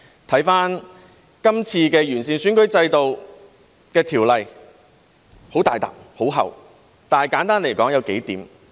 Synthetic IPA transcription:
t̪ʰɐ˨˥jfaː˥n | kɐ˥mt͡sʰiː˧kɛː˧jyː˨˩nsiː˨nsyː˨˥nkɵ˨˥ɥt͡sɐ˧jt̪o˨w | kɛː˧t̪ʰiː˨˩wlɐ˨j | ho˨˥wt̪aː˨jt̪a̰ː˨˩p̚ho˨˥wɦɐ̰˨w | t̪aː˨nɐ˨jkaː˨˥nt̪aː˥nle˨˩jkɔː˨˥ŋjɐ˨˧wke˨˥jt̪iː˨˥m

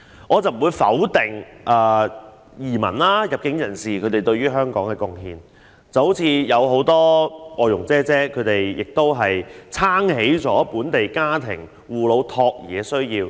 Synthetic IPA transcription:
ʔɔː˨˧t͡sɐ˨˩m̩˨˩wu˨˧jfɐ̰˨˥wt̪ɪ˨˩ŋʔɐː˨˩ | jiː˨˩mɐ̰˨˩nlaː˥jɐ˨˩p̚kɪ˨˥ŋjɐ˨˩nsiː˨kʰɵ˨˧ɥt̪e˨˩jt̪ɵ˧ɥyː˥ɦœː˥ŋkɔː˨˥ŋkɛː˧kʊ˧ŋɦiː˧n | t͡sɐ˨˧who˨˥wt͡sʰiː˧jɐ˨˧wɦo˨˥wt̪ɔː˥ʔɔː˨˧jʊ˨˩ŋt͡sɛː˥t͡sɛː˥kʰɵ˨˧t̪e˨jjɪ˨k̚t̪o˥wɦɐ˨jt͡sʰaː˥ŋhe˨˥jt͡sɔː˨˥puː˨˥nt̪e˨jkaː˥t̪ʰɪ̰˨˩ŋ | wuː˨lo˨˧wt̪ʰɔː˧k̚jɛː˨˧˥sɵ˥ɥjiː˧w

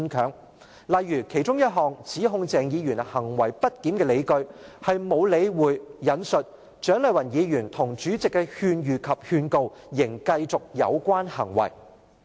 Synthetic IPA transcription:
nkʰœː˨˥ŋ | lɐ˨jːyː˨˩kʰe˨˩jt͡sʊ˥ŋjɐ˥t̚ɦɔː˨ŋt͡sʰiː˨˥ɦʊ˧ŋt͡sɛː˨˩ŋjiː˨˧jyː˨˩nhɐ˨˩ŋwɐ˨˩jpɐ˥t̚kiː˨˥mkɛː˧le˨˧jkɵ˧ɥhɐ˨jmo˨˧wle˨˧˥jwuː˨jːɐ˨˥nsɵ˨t̚ | t͡ʃœː˨˥ŋlɐ˨jwɐ˨˩njiː˨˧jyː˨˩nt̪ʰʊ˨˩ŋt͡ʃyː˨˥t͡sɪ˨kːɛ˧hyː˧njyː˨˩kʰɐ˨p̚hyː˧nko˧wjɪ˨˩ŋkɐ˧jt͡sʊ˨k̚jɐ̰˨˧wkʷwaː˥nhɐ˨˩ŋwɐ̰˨˩j

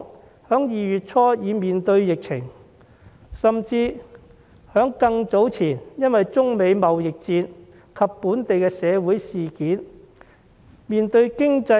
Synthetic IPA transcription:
hœː˨˥ŋjiː˨jyː˨t̚t͡sʰɔː˥jiː˨˧miː˨nt̪ɵ˧ɥjɪ˨k̚t͡sʰɪ˨˩ŋ | sɐ˨mt͡siː˧ | hœː˨˥ŋkɐ˧ŋt͡so˨˥wt͡sʰiː˨˩njɐ˥nwɐ˨jt͡sʊ˥ŋme˨˧jmɐ˨wjɪ˨k̚t͡siː˧n | kʰɐ˨pːuː˨˥nt̪e˨jkɛː˧sɛː˨˧wuː˨˥jsiː˨kiː˨˥n | miː˨nt̪ɵ˧ɥkɪ˥ŋt͡sɐ˧

